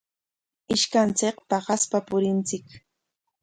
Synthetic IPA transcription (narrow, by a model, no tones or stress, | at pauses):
ɪʃkant͡sɪkpɑχaspapʊɾɪnt͡sɪk